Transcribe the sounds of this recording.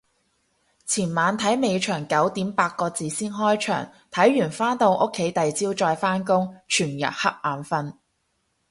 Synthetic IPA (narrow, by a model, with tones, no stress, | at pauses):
t͡sʰiː˨˩nmaː˨˧nt̪ʰɐ˨˥jme˨˧jt͡ʃʰœː˨˩ŋkɐ˨˥wt̪iː˨˥mpaː˧t̚kɔː˧t͡siː˨siː˥nɦɔː˥jt͡ʃʰœ̰ː˨˩ŋ | t̪ʰɐ˨˥jːyː˨˩nfaː˥nt̪o˧wʔʊ˥kʰːe˨˥jt̪ɐ˨jt͡siː˥wt͡ʃɔː˧jfaː˥nkʊ˥ŋt͡ʃʰyː˨˩njɐ̰˨t̚hɐ˥k̚maː˨nfɐ˧n